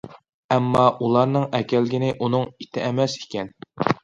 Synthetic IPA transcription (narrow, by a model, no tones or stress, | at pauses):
ɛmːɑʔulˠɑɾnɨŋɛkʲɛlɡʲinɪʔunɨŋit̪ʰɪɛmɛsi̥kʲɛn